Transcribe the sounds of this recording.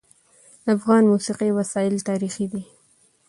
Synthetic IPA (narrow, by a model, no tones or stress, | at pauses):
d̪əafɣɑnmusiqiwasɑɪlt̪ɑɾixid̪i